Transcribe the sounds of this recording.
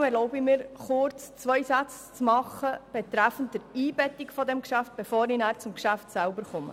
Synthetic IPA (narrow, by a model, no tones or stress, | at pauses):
ɛɾlɔʊbɪmɪːɾχʊɾt͡st͡sʋœjsæt͡s | t͡smɑχəb̥ɛt̪ɾæfən̩t̚d̥əɾiːbɛtɪkfɔdɛmkʃæft̚b̥efoːɾɪnæːɾt͡sʊmkʃæftsælbəɾχʊmə̰